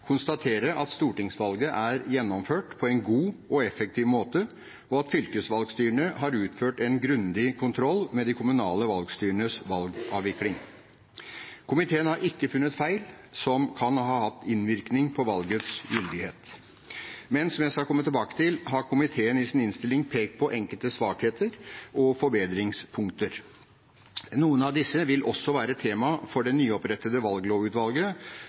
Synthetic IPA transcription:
kʰʊnst̪ɑt̪ʰeːɾəʔɑt̪st̪uːʈɪŋsʋɑlɡəʔæɾjɛnːɔmføːʈpʰɔɛnɡuːɔɛfɛk̚t̪ʰiːʋmoːt̪ə | ɔɑt̪fʏlkəsʋɑlɡst̪yːɳəɦɑɾʉːt̪føːʈɛnɡɾʉnd̪ɪkʰʊnt̪ʰɾɔlːmɛd̪ɪkʰʊmʉnɑːləʋɑlɡst̪yːɾəɳəsʋɑlɡʔɑːʋɪklɪŋ | kʰʊmɪt̪ʰeːənhɑɾʔɪkːəfʉnːət̪fæɪl | sɔmkʰɑnɦɑːhɑt̪ːɪnʋɪɾknɪŋpʰɔʋɑlɡət̪sjʏld̪ɪheːt̪ | mɛnsɔmjæɪskɑɾkʰɔmːət̪ʰːɪlbɑːkə̥t̪ɪlɦɑɾkʰʊmɪt̪ʰeːənɪsɪnɪnst̪ɪlːɪŋpʰeːk̚t̪̚pʰɔʔɛŋkəlt̪əsʋɑːkheːt̪ʰəɾɔfɔɾbeːd̪ɾɪŋspʰʊŋkt̪əɾ | nuːənɑʋd̪ɪsːəʋɪlʔɔsːɔʋæːɾəɛt̪ʰːeːmɑfɔɖɛnyːɔpɾɛt̪ːəd̪əʋɑlɡloːʉːt̪ʋɑlɡə

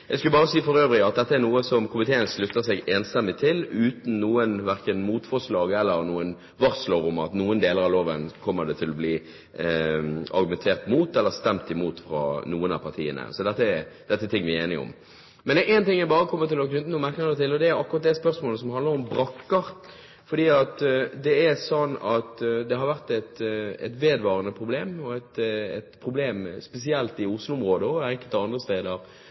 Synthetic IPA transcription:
jæɪskʉlbɑːɾəsiːfɔɾøːʋɾɪɑt̪̚d̪ɛt̪ːəæɾnuːəsɔmkʰʊmɪt̪ʰeːənslʉt̪ːəsɛɡeːnst̪ɛmːɪt̪ʰɪlʉːt̪n̩ːuːənʋæɾkənmuːt̪fɔʁʂlɑːɡɛlːəɾnuːən | ʋɑɾsloːɾʊmɑ̰t̪nuːənd̪eːləɾɑʋloːʋənkʰɔmːəd̪ɛt̪ʰɪlːɔbliː | ɑ̰ɾɡʉmɛnt̪ʰeːɾt̪muːt̪ɛlːəst̪ɛmt̪ɪmuːt̪fɾɑ̰ːnuːənɑ̰pʰɑʁt̪ʰiːə̰nə̰sɔd̪ɛt̪ːəɛd̪̥ɛt̪ːət̪ʰɪŋːʋɪeːnɪɔ̰m | mɛnɛʔɛːnt̪ɪŋːæbɑːɾəkʰɔmːət̪ɪlɔkʉnd̪nʊmæʁknnət̪ɪlːɔd̪ɛæɾɑkːʊɾɑt̪̚d̪ɛspœʁɾsmoːləsɔmhɑnd̪ləɾɔmbɾɑkːəɾ | fɔd̪iːɑt̪d̪ɛɛsɔnːɑt̪d̪ɛɦɑɾʋæʁt̪ɛt̪ɛ̰t̪ʋeːd̪ʋɑːɾənəpʰɾʊbleːmɔɛt̪ɛ̰t̪pʰɾʊbleːmspɛs̬ɪɛlt̪ɪʊslʊʊmʁoːd̪əɔɛŋkəlt̪ɑnd̪ʁəst̪eːd̪əɾ

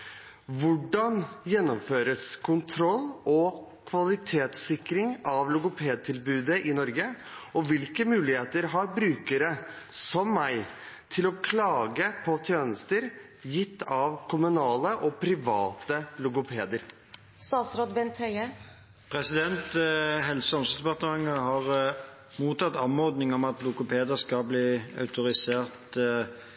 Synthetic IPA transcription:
ʋʊɖɑnjɛnːɔmføːɾəskʰʊnt̪ʰɾɔlːɔkʰʋɑlɪt̪ʰeːt̪sɪkɾɪŋɑʋlʊɡʊpʰeːd̪̚t̪ʰɪlbʉːd̪əʔɪnɔɾɡə | ɔʋɪlkəmʉːlɪheːt̪əɾɦɑɾbɾʉːkəɾə | sɔmːæɪ | t̪ʰɪlɔkʰlɑːɡəpʰɔt̪ʰjøːnəst̪əɾ | jɪt̪ːɑʋkʰʊmʉnɑːləʔɔpʰɾɪʋɑːt̪əlʊkʊpʰeːd̪əɾ | sɑːsɾɔd̪bɛnt̪hœʏə | pʰʁɛsɪd̪ɛnt̪ɦɛlsəɔmsəsd̪ɛpɑt̪əmɑŋːəhɑʁ | muːt̪ɑt̪ːɑnɔʁd̪nɪŋɔmɑt̪lʊkʊpʰeːd̪əskɑbliːɑ̰ʉt̪ʊɾɪseːʁt̪

